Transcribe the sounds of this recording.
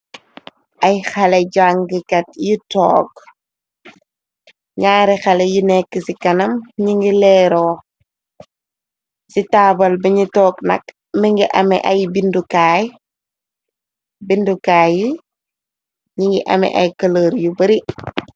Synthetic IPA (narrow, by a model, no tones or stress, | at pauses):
ʔɐjxɐlɛɟaŋɡikɐtjitɔːk̚ | ɲaːɾixɐlɛjinɛkːəsikɐnɐmɲiŋɡilɛːɾɔː | sitaːbɐlbiɲitɔːknɐ̰k | miŋɡiʔɐmɛʔɐjbindukaːj | bindukaːji | ɲiŋɡiʔɐmɛ̰ʔɐjkɐləːɾjubɐɾi